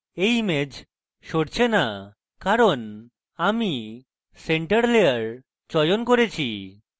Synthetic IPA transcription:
ejmed͡ʑ | ʃoɽt͡ɕʰena | kaɾon | ami | seɳʈaɾleaɾ | t͡ɕɔjonkoɾet͡ɕʰi

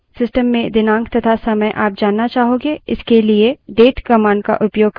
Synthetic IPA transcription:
sɪsʈəmːẽd̪ɪnãːŋkt̪ɐt̪ʰasɐməjʔaːp̚d͡ʒaːnːat͡ʃaːɦoːɡeɪskelieɖeːʈkɐmãːɳɖ̚ka̰ʔʊpjoːɡ̚

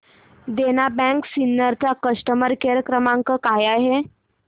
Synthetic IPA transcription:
d̪enabɛ̃ŋksinːəɾt͡sakəʂʈəməɾkeɾəkɾəmaŋkəkajaɦe

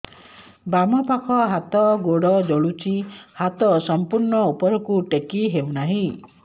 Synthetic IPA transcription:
bamɔpakʰɔɦat̪ɔɡoɽɔd͡ʒɔɭut͡ʃihat̪ɔsɔmpuɾɳɔupɔɾɔkuʈekiɦewnaɦĩ

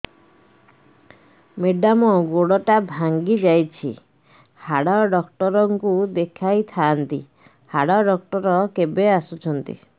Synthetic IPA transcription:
meɖamɔɡoɽɔʈabʱaŋɡid͡ʒajt͡ʃʰḭ | haɽaɔɖɔkʈɔɾɔŋkud̪ekʰajt̪ʰaːnt̪ḭ | haɽaɔɖɔk̚ʈɔɾɔkebeasut͡ʃʰɔnt̪ḭ

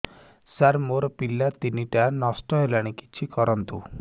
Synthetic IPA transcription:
saɾmoɾɔpilːat̪iniʈanɔsʈɔelaɽ̃iki̥t͡ʃʰikɔɾɔnt̪ṵ

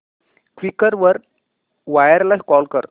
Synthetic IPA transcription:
kʋikəɾʋəɾ | ʋajəɾlaɦkɔlkəɾ

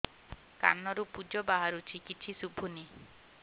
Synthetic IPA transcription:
ka̰nɔɾupud͡ʒɔbaɦaɾut͡ʃʰikit͡ʃʰisubʱuni

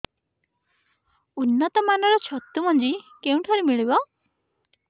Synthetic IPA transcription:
unːɔt̪ɔmanɔɾɔt͡ʃʰɔt̪ːumɔnd͡ʒikeũʈʰɔɾimiɭibɔ

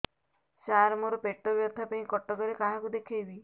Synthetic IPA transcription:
ʃaɾmoɾopeʈːobjɔt̪ʰapeĩkɔʈːɔɡɔɾekaɦakud̪ekʰebi

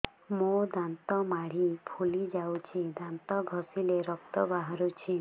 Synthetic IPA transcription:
mod̪ant̪ɔmaɽ̤ipʰulid͡ʒawt͡ʃʰid̪ant̪ɔɡʱɔsileɾɔk̚t̪ɔbaɦɔɾut͡ʃʰi

